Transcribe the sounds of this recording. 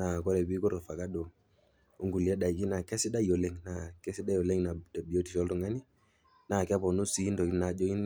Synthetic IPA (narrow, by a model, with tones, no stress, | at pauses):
a˨kɔ˦ɾɛ˨bi˦kɔ˦ɾɔ˨fa˨ka˦do˨ | o˦ŋɡu˨li˨ɛ˦da˨i˨ki˦na˨kɛ˦si˦da˦jo˨lɛ˦ŋna˨kɛ˦si˦da˦jo˨le˦ŋna˨da˨bi˨jo˦ti˨ʃɔ˦ldɔ˦˨ŋa˦ni˦ | na˨kɛ˦bɔ˨nu˦si˦ndɔ˨i˦na˨d͡ʒo˦i˦n